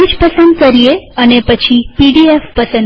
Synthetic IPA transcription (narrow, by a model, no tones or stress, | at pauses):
id͡ʒpəsənd̪kəɾieənepət͡ʃʰipiɖiefpəsən